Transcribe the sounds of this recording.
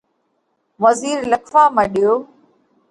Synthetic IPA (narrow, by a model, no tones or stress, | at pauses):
ʋəziːɾləkʰʋaːmə̃ɗijoː